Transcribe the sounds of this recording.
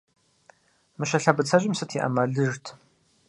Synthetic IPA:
mɨɕɐɬɐbɨt͡sʰɐʑɪmsɨtʰiʔɐ̰mɐɮɨʐtʰ

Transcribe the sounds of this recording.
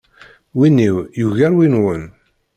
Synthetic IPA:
winːiwjuʝæɾwinwən

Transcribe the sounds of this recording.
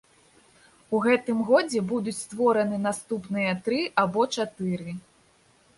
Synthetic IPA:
uɣɛt̪ɨmɣɔd͡zʲɛbud̪ut͡sʲst̪vɔɾɐnɨnast̪upnɨjɐt̪ɾɨʔabɔt͡ʂat̪ɨɾɨ

